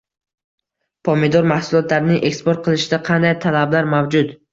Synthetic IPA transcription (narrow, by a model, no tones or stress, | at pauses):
pʰomed̪ɔɾmahsʊlˠɒt̪laɾnɪŋʔekspoɾt̪̚qʰɨlˠɪʃɪd̪aqʰɑnd̪ajt̪ʰalablaɾmawd͡ʒʊt̪